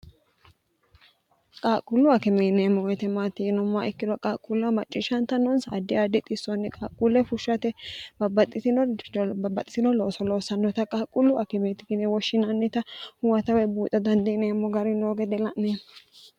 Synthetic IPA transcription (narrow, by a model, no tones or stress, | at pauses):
kʼaːkʼʊlːʊɐkɪmeːneːmːɔwɛt̪ɛmaːt̪ːɪnʊmːaʔɪkːɪd̪ɔkʼaːkʼːʊlːɐmɐt͡ʃʼːɪʃɐnt̪ɐnːɔnsa̰d̪ːɪad̪ɪt̪ʼɪsːɔnːɛkʼaːkʼːulːɛfʊʃːɐt̪ɛbɐbːɐt̪ʼːɪt̪ɪnɔbɐbɐt̪ʼːɪ̥t̪ɪnɔlo̞ːsɔlo̞ːsɐnːɔt̪ɐkʼaːkʼʊlːʊʔɐkɪmeːt̪ɪɡɪnɛwɔʃːɪnɐnːɛt̪ɐhʊwɐt̪ɐwɛbuːt̪ʼːɐd̪ɐnd̪ɛneːmːɔɡɐɾɪnoːɡɛd̪ɛlɐʔnneː